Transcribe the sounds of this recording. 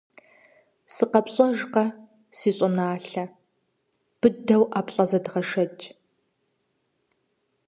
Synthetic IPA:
sɨqɐpɕʼɐʒqɐ | siːɕʼʊnaːɬɐ | b̥ɨdɐwʔaːpɬʼɐzɐdʁɐʃɐt͡ʃʼ

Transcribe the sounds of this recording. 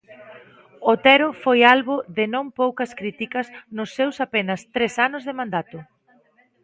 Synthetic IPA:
ot̪ɛɾʊfojalβʊðɪnõŋpowkɐskɾit̪ikɐsnʊsːewsapenɐst̪ɾesanʊzðemãnd̪at̪ʊ

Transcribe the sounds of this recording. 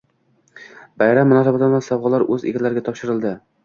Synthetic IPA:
bajɾamːʊnɒsabat̪ɒnasɒwʁɑlaɾɵzḛɡʲalaɾɪɡʲat̪ʰɒpʃɪɾɪlˠd̪ɪ

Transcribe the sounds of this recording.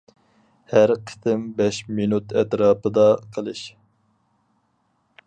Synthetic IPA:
hæɾqʰə̥t̪ɪmbɛʃminut̪ɛt̪ɾɑːpɨd̪ɑqʰəlˠɨʃ

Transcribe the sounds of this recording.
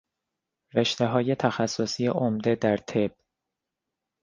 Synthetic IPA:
ɾeʃt̪e̞ɦɒːje̞t̪ʰæxæsːosiːeʔomd̪e̞d̪æɾt̪ʰeb̥

